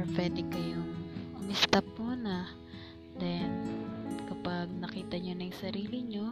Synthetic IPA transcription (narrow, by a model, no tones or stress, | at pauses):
pɛd̪ɪkɐjoŋʔʊmɪst̪ɐp̚muːnɐ | d̪ɛnkɐpaɡ̚nɐkiːt̪ɐɲonɐjsɐɾiːlɪɲo̞